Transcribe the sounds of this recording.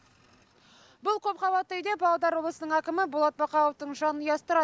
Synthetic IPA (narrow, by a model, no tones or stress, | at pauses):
bʊlˠkʲʰɵpχɑbɑt̪ːəjd̪ebɑlˠɑd̪ɑɾwo̞blˠəsənəɴækʲɪmɪbolˠɑt̪̚bɑqɑw̪oft̪əɴʒɑnəjɑst̪əɾɑ